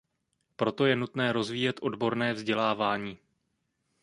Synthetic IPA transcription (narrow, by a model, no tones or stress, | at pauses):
pɾo̞t̪o̞jɛnut̪nɛːɾo̞zviːjɛt̪ʔo̞dbo̞ɾnɛːvzɟɛlaːvaːɲiː